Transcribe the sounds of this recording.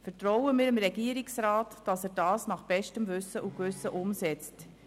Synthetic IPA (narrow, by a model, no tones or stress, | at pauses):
fɛɾtɾɔʊwəmɪːɾəmɾɛɡiːəɾiksɾɑːtd̥ɑsɛːɾdɑːsnɑχb̥ɛʃtəmʋʏsəʔukʋʏsəʔʊmsɛt͡st